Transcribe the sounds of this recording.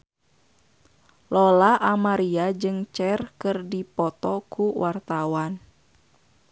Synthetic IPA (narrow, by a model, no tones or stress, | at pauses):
lɔlaʔamaɾiad͡ʒɨŋt͡ʃɛrkɨrdipɔt̪ɔkuwʔart̪awan